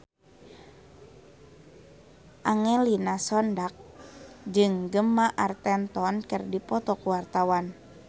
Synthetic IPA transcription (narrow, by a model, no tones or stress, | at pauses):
ʔaŋɛlinasɔndak̚d͡ʒɨŋɡəmaʔart̪ɛnt̪ɔnkərdipɔt̪ɔkuwart̪awan